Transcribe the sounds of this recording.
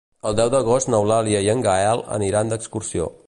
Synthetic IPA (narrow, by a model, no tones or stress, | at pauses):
əlˠd̪ɛwd̪əɣost̪nəwlalˠjiəjəŋɡaɛlˠə̰niɾand̪əkskuɾsio̰